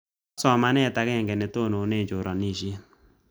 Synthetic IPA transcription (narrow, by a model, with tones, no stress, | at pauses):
sɔ˨ma˦nɛ˦˨ta˨kɛ˦˨ŋɡɛ˨nɛ˨to˦˨no˨˦ne˦˨d͡ʒo˨ɾɔ˨ni˦˨ʃje˦